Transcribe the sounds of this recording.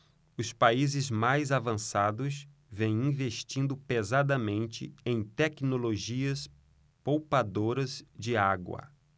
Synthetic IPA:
ʊspaizɪzmajzavɐ̃sad̪ʊz | vẽj̃ĩveʃt͡ʃĩnd̪ʊpezad̪ɐmẽnt͡ʃɪ̰ẽj̃t̪ɛknoloʒiɐs | powpad̪oɾɐzd͡ʒɪaɡwɐ̰

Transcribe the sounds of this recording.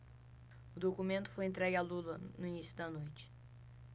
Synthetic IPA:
ʊd̪okumẽnt̪ʊ̥fojẽnt̪ɾɛɡɪalulɐnʊinisjʊd̪ɐnojt͡ʃɪ̥

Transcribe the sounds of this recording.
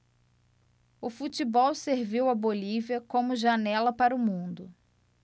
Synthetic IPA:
ʊfut͡ʃibɔwseɾviwɐboliviɐkõmʊʒanɛlɐpaɾʊmũnd̪ʊ

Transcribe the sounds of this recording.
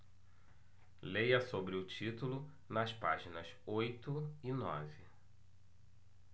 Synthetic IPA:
lejɐsobɾɪʊt͡ʃit̪ulʊ | nɐspa̰ʒinɐsojt̪ʊinɔ̰vɪ

